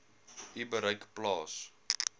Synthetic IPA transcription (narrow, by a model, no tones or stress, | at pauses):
ʔibəɾəjkplɑːs